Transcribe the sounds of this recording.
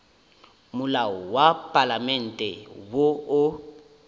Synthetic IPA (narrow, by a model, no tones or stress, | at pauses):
mʊlawɔwapʼalamɛn̩tʼɛwoʊ